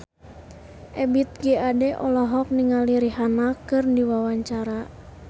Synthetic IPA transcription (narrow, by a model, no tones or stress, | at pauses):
ʔɛbit̪̚ɡɛadɛʔɔlɔɦɔk̚niŋaliɾiɦanakɨrndiwawaɲt͡ʃaɾa